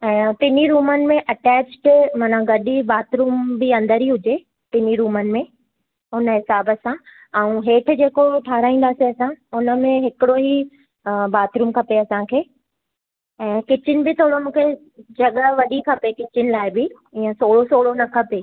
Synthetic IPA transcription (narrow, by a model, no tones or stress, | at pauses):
ɛ̃ːt̪ɪniɾuːmənɪ̆mẽʔɐʈɛːt͡ɕʈmaːnãɡɐɗibaːt̪ɾuːmbɪɐ̃nd̪əɾɦiɦʊd͡ʑe | t̪ɪniɾuːmənɪ̆mẽ | ʊnəɦɪsaːbəsã | ɛ̃ũɦeːʈʰʊ̆d͡ʑeːkoʈʰaːɾaːĩːnd̪aːsiɐsãʊnə̆mẽɦɪkɪɽoɦi | baːt̪ɾuːmkʰɐpeɐsãkʰeː | ɛ̃ːkɪt͡ɕɪnɪ̆bɪt̪ʰoːɽomũːkʰe | d͡ʑɐɠəʋɐɗikʰɐpekɪt͡ɕɪnɪ̆laːɪbɪ | ɪjə̃soːɭosoːɽonɐkʰɐpeː